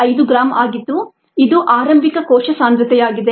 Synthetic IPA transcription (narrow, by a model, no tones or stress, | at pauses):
ɐjd̪uɡɾaːmaːɡit̪ːu | id̪uʔaːɾɐmbʱikɐkɔːʃɐsaːnd̪ɾɐt̪ɛjaːɡid̪e